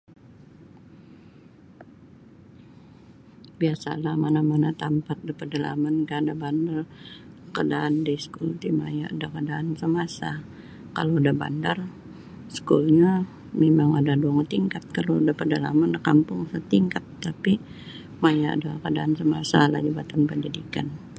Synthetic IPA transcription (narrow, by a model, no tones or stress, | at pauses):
biasa̰lahmanamanat̪ampat̪̚dipərdala̰mankadabandarəkadaʔːndiskult̪ima̰jaadakadaːnsəmasa | ka̰loadaba̰ndar | skulɲa | memaŋadaduaŋt̪iŋkat̪̚kalodapərdala̰mankampʊŋsət̪iŋkat̪ːapi | majaa̰dakadaansəmasala̰d͡ʒəbat̪anpəd͡ʒidikan